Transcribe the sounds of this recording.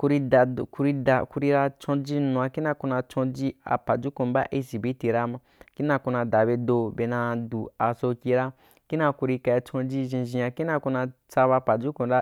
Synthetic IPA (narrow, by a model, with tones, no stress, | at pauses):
ku˧ɾi˧da˨ku˧ɾi˧da˨ku˧ɾi˧ɾa˧t͡ʃõ˧d͡ʒi˦nũ˨˧˨a˧ki˦na˧ku˧na˧t͡ʃõ˧d͡ʒi˦a̰˨pa˨d͡ʒu˦kũ˨ba̰˦ʔi˧si˨be˨˦ti˧ɾa˦ma˧ | ki˦nã˧ku˧nã˧da˨be˧do˧be˧nã˧du˨a˨so˧kʲi˧ɾa˦ | ki˦na˧ku˧ɾi˧ka˧a˧t͡ʃõ˧d͡ʒi˦ʒĩ˧ʒĩ˧a˧ki˦na˧ku˧na˧t͡sa˧ba˧pa˨d͡ʒu˦kũ˨ɾa˦